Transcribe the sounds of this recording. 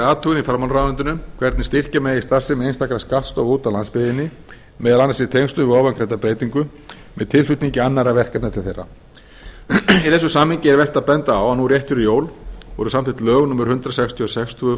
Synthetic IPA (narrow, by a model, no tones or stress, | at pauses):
aːt̪ʰuːɣɪnifɾaɾmanɾaːvɛnt̪ʏnʏmkʰvɛɾt̪nɪst̪ir̥camɛjɪst̪ar̥sɪmɛejnst̪akɾaskat̪st̪ɔːwvuːt̪alanspɪðɪnːɪ | mɛːðalanːasɪt̪ʰejŋst̪ʏvɪɣɔwvankʰɾeːt̪apɾeːjt̪iŋkʏ | mɛðt̪ʰɪlfʏt̪niɲcɪanːaɾavɛr̥kat̪nat̪ʰɪlθejrːa̰ | iθɛsʏsaːmhɪɲcɪɛɾvɛr̥t̪apɛnt̪aawanurjɛht̪fɪɾɪjoːwlvɔɾʏsamt̪ɪt̪lœːɣnɔːmʏɾ̥hʏnt̪ɾasɛkst̪ʰiɔsɛkst̪ʰuʏ